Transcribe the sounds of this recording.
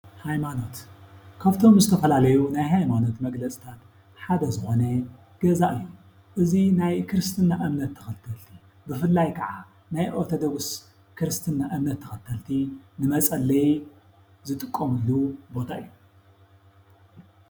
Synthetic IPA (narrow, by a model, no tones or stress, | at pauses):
hajmano̞t̪kʰaβt̪ʰo̞mzɨt̪ʰɐfɐlalɐjunajɦajmano̞t̪mɐɡlɐt͡sʼi̥t̪ʰat̪ | ħad̪ɐzɨxo̞nɐ | ɡ̥ɐzaʔɨjːu | ʔɨzinajkʰɨɾɨst̪ʰɨnːaʔɨmnɐt̪ʰːɐ̥xɐt̪ʰɐlt̪ʰi | bɨfɨlːajkʰɐʕa | najʔot̪ʰod̪oɡɨs | kʰɨɾɨst̪ʰɨnːaʔɨmnɐt̪ʰːɐ̥xɐt̪ʰːɐlt̪ʰinɨmɐt͡sʼɐlːɐj | zɨt̪ʼɨkʼːomɨlːubo̞t̪ʰaʔɨ̰jːu